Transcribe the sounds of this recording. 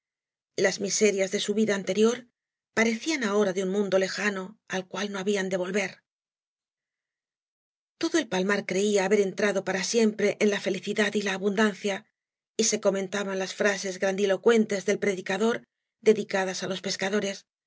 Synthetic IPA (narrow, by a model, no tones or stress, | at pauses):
lazmise̞ɾjazðe̞suβiðaːnt̪e̞ɾjo̞ɾ | paɾe̞θianao̞ɾaðeunmũnd̪o̞le̞xano̞alkwalno̞aβiand̪e̞β̞o̞lβe̞ɾ | t̪o̞ðo̞e̞lpalmaɾkɾe̞iaːβe̞ɾe̞nt̪ɾaðo̞paɾasje̞mpɾe̞ʔenlafe̞liθiðaðilaːβund̪anθja | ise̞ko̞mẽ̞nt̪aβanlasfɾase̞zɣɾand̪ilo̞kwe̞nt̪e̞zðe̞lpɾe̞ðikaðo̞ɾ | d̪e̞ðikaðasalo̞spe̞skaðo̞ɾe̞s